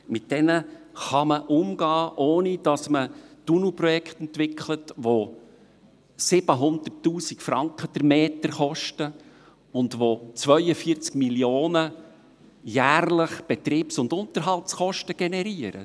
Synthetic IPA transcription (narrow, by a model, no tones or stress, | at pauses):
mɪt̚d̥ɛnə | χɑməʔʊmɡɑːʔoːnid̥ɑsmətunuprɔjɛkχt̪ɛntʋɪkʰχlətʋo | sɪb̥əɦʊnd̪ərtːuːsikfɾɑŋkχədəɾmeːtəɾχɔʃtə | ʊndʋot͡sʋœʏəfiəɾt͡skmiljoːnə | jæːrləχb̥ɛt̪riːpsʊndʊnt̪əɾɦɑltsχɔʃtəɡ̥ɛnɛɾiəɾə̰